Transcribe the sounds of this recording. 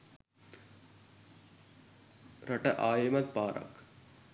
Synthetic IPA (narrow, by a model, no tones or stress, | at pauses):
ɾɐʈɐʔaːjimɐd̪̚paːɾɐ̰k